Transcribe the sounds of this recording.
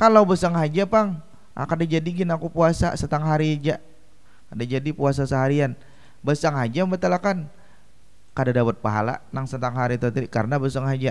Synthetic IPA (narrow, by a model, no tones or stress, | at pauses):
kalawbəsaŋɦad͡ʒapaŋ | ʔa̰kadad͡ʒadiɡinakupuasa̰sət̪aŋɦaɾid͡ʒa | kadad͡ʒadipuas̬asəɦaɾian | bəsaŋɦad͡ʒaməmət̪alakan | kadadawət̪̚paɦa̰la̰naŋsət̪aŋɦaɾit̪ət̪iikaɾənabəsaŋɦad͡ʒa